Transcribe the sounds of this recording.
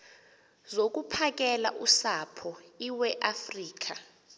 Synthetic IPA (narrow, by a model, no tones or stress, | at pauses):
zok̬ʼupʰak̬ʼɛla̰ʔusapʰɔiwɛʔafriːk̬a